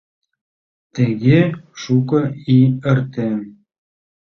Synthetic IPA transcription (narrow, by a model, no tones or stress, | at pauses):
t̪ɘ̆ɣeʃukɤ̆iɘ̆rt̪ĕ